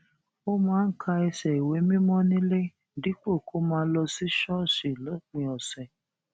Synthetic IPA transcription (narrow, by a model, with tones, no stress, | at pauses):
o˦mãː˦n̩˦kʰa˧ɛ˧sɛ˨i˨we˨˦mĩ˦mɔ̃˦nĩ˦le˦˨ | di˨˦k͡po˦˨ko˨˦mãː˨˦lɔ˧si˦ʃɔ˦˨ʃe˨lɔ˨˦k͡pĩ˧˦ɔ˨sɛ˨